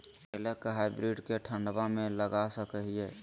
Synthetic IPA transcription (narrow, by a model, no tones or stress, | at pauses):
ɛlekɦaɪbɾiɖkeʈʰə̃ɳɖbamẽləɡasəkəɦie